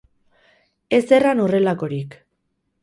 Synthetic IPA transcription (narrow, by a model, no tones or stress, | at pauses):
e̞se̞ranore̞lako̞ɾik